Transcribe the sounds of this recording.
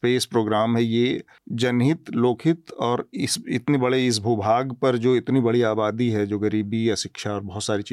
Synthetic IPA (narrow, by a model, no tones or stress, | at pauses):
peːspɾoːɡɾaːmɦɛje | d͡ʒɐnɦɪt̪loːkʰɪt̪ɔːɾɪsɪt̪nebɐɽeɪs̬bʱubʱaːɡpɐɾd͡ʒoːɪt̪nibɐɽiaːbaːd̪iɦɛd͡ʒoːɡɐɾiːbijaʃɪkʃaɔːɾbɔɦʊt̪saːɾit͡ʃiː